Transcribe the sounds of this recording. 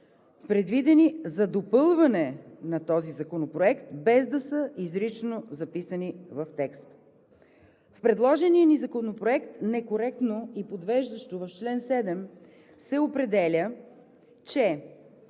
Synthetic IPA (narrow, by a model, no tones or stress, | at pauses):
pɾɛd̪vid̪ɛnizɐd̪opɤlˠvɐnɛnɐt̪ɔzizɐkonopɾoɛkt̪bɛzd̪ɐsəʔizɾit͡ʃnozɐpisɐnivɐft̪ɛkst̪ | fpɾɛd̪lˠɔʒɛniənizɐkonopɾoɛkt̪nɛkoɾɛk̚t̪noipod̪vɛʒd̪əʃt̪ovɐft͡ʃlɛnsɛd̪ɛm | sɛopɾɛd̪ɛlʲə | t͡ʃɛ